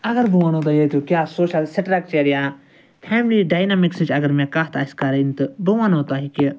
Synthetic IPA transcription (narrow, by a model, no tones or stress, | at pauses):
ɐɡəɾbuʋanɦoːt̪aːjeːt̪okjaːsoːʃəlseʈɾaːk̚t͡ʃeːɾija | pʰɛːmliɖaːjnaːmɪkst͡ʃɐɡəɾmɛ̃ːkaːt̪aːskaɾent̪ɨbuʋanɦoːt̪aːɦiki